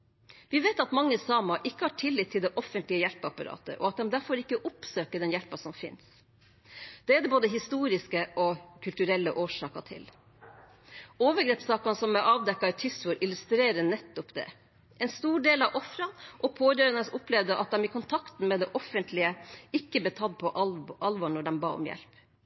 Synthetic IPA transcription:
ʋɪʋeːt̪ɑt̪mɑŋːəsɑːmɑʔɪkːəhɑʈʰɪlːɪt̪ʰːɪld̪ɛʔɔfənt̪lɪəjɛlpəɑpɑɾɑ̰ːt̪ə̰ʔɔ̰ɑt̪̚d̪ɛmd̪æɾfɔɾɪkːəʔʊpsøːkəɖɛnjɛlpɑsɔmfɪ̰ns | d̪̥ɛæːd̪ɛboːd̪əɦɪst̪uːɾɪskəʔɔkʰʉlt̪ʉɾɛlːəʔoːʂɑːkɑt̪ʰɪ̰l | oːʋəɡɾeːpsɑːkɑnsɔmɛʔɑːʋd̪ɛkːɑt̪ʰʏsʊɾʔɪlʉst̪ɾeːɾənɛt̪ːɔpd̪ɛ̰ | ʔɛnst̪uːɖeːlɑʋʔɔfɾɑnʔɔpʰoːjøːɾɑnəsʊplɛːʋd̪əʔɑt̪̚d̪ɛmɪkʰʊnt̪ʰɑkt̪n̩mɛd̪ɛʔɔfənt̪ʰlɪəɪkːəb̪ɛt̪ʰɑd̪̚pʰɔʔɑlʋɔɳɔɖɛmbɑ̰ːɔ̰mjɛ̰lp

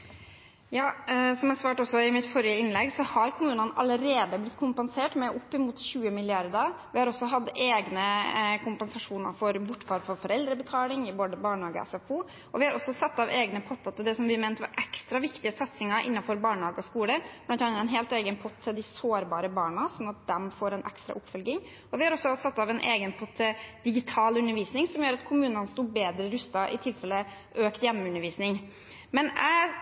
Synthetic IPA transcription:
jɑːsɔmæsʋɑːʈɔsːɔɪmɪt̪fɔɾjəɪnlɛɡsɔhɑɾkʰʊmʉːnənɑ̰ləɾeːd̪əblɪt̪ːkʰʊmpɛnseːʈmɛʔʊpːɪmuːt̪çʉːəmɪlɪɑɾd̪ɑ | ʋɪhɑɾɔsːɔɦɑd̪eːɡnəkʰʊmpɛnsɑʂuːnəɾfɔɾbʊʈːfɑɾfɔfɔɾɛld̪ɾəbət̪ʰɑːlɪŋɪboːd̪əbɑːɳhɑːɡə̰ɛ̰sɛfuː | ɔʋɪhɑɾɔsːɔsɑt̪ːɑʋʔeːɡnəpʰɔt̪ːɑt̪ʰɪld̪ɛsɔmʋɪmɛːnt̪ʋɑ̰ɾʔɛkst̪ɾɑʋɪkt̪ɪəsɑt̪sɪŋɑɾʔɪ̰nːɑfɔɾbɑːɳhɑːɡəɔskuːləblɑnt̪ɑnɛnɦeːlt̪eːɡənpʰɔt̪ʰːɪld̪ɪsoːɾbɑːɾəbɑːɳɑsɔnɑt̪̚d̪ɛmfoːɾɛnʔɛ̰kst̪ɾɑ̰ʔʊpːfœlɡɪŋ | ɔʋɪhɑɾɔsːɔsɑt̪ːɑʋɛnʔeːɡənpʰɔt̪ʰːəd̪̥ɪɡɪt̪ʰɑːlʉnːəɾʋiːsnɪŋsɔmjøːɾɑt̪kʰʊmʉːnənəst̪uːbeːd̪ɾəɾʉst̪ɑʔɪ̰t̪ʰɪlfɛlːə | ʔøːkt̪jɛmʉnːəɾʋiːsnɪŋ | mɛnæ

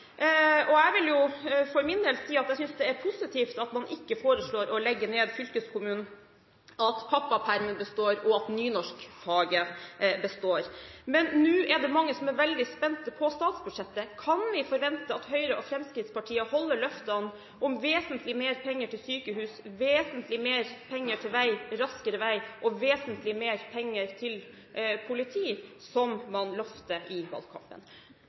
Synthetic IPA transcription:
ɔɛʋɪljʊfɔɾmɪnd̪eːlsiːɑt̪æɪsʏnsd̪ɛæɾpʰʊsɪt̪ʰiːft̪ɑt̪mɑnʔɪkːəfoːɾəʂɭoːɾʔɔlɛɡːəɳeːd̪fʏlkəskʰʊmʉːnn̩ | ɑt̪pʰɑpːɑpʰæɾməbəst̪oːɾɔɑt̪nyːnɔʂkfɑːɡəbəst̪oːɾmɛnːʉːʔɛɖɛmɑŋːəsɔmɛɾʋɛld̪ɪspɛnt̪pʰɔst̪ɑːt̪sbʉd̪ʂɛt̪ːəkʰɑnʋɪfɔɾʋɛnt̪əɑt̪hœʏɾəʔɔfɾɛmskɾɪt̪spɑʈʰiːəhɔlːəɭœft̪ɑn | ʔʊmʋeːsənt̪ʰlɪmeːɾpʰɛŋːəʈʰɪlsyːkəhʉːsʋeːsənt̪lɪmeːɾpʰɛŋːəʈʰɪlʋæɪɾɑskəɾəʋæɪʔɔʋeːsənt̪lɪmeːɾpʰɛŋːəɾt̪ʰɪl | pʰʊlɪt̪ʰiːsɔmmɑnlœft̪əʔɪʋɑ̰lkʰɑ̰mpə̰n

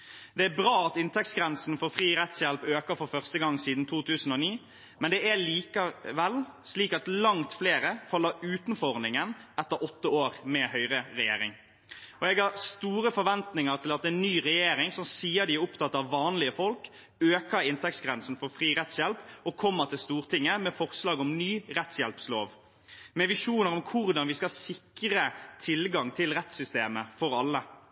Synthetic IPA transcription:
d̪̥ɛæbɾɑːɑt̪ɪnt̪ʰɛk̚t̪sɡɾɛnsn̩fɔɾfɾiːɾɛt̪sjɛlpøːkəfɔɾfœʁst̪əɡɑŋːsiːd̪n̩t̪ʰuːt̪ʰʉːsn̩oːniː | mɛnd̪ɛʔæliːkəʋɛlsliːkɑt̪lɑŋt̪fleːɾəfɑlːəʉːt̪ənfɔʁnɪŋənɛt̪ːəɾɔt̪ːəoːɾmɛhœʏʁəɾɛjḛːɾɪ̰ŋ | ɔɛɡhɑʁst̪uːɾəfɔɾʋɛnt̪nɪŋəʁt̪ʰɪlɑt̪ɛnnyːʁɛjeːɾɪŋsɔmsiːəd̪ɪæʊpt̪ʰɑt̪ːɑʋːɑːnlɪəfɔlk | øːkəɪnt̪ʰɛk̚tsɡʁɛnsn̩fɔɾfʁiːɾɛt̪sjɛlpɔkʰɔmːət̪ʰɪlst̪uːʁt̪ʰɪŋːəmɛfɔʁslɑːɡɔmnyːʁɛt̪sjɛlpsloːʋ | mɛʋɪʂuːnəɾɔmkʰʊʁd̪ɑnʋɪskɑsɪkʁət̪ʰɪlɡɑŋt̪ʰɪlʁɛt̪sʏst̪eːməfɔɾɑlːə

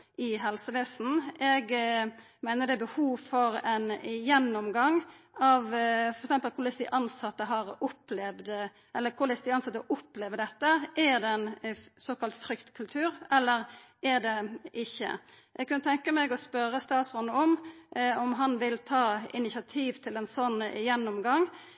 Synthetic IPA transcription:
ɪɦɛlsəʋeːsn̩ɛɡ | mæɪnəd̪ɛæbəhuːʋfɔɾɛnjɛnːɔmɡɑŋ | ɑʋfɔɾɛksɛmpəlkʰʊʁlɪsd̪ɪʔɑnsɑt̪ːəɦɑɾʊplɛːʋd̪ | ʔɛlːəkʰʊlɪsd̪ɪɑnsɑt̪ːəɔʔʊpleːʋəd̪ɛt̪ːəʔæɾd̪ɛɛnsoːkɑlt̪fɾʏkt̪kʰʉlt̪ʰʉːɾɛlːəɾ | æʁd̪ɛɪçːə̰ | jɛɡ̚kʰːʉnːət̪ʰɛŋkəmɛɡɔspœɾəst̪ɑːt̪sɔnɔmɔmɦɑnʋɪlt̪ʰɑːɪnɪsɑt̪ʰiːʋt̪ʰɪlɛnsɔnːjɛnːɔmɡɑŋ

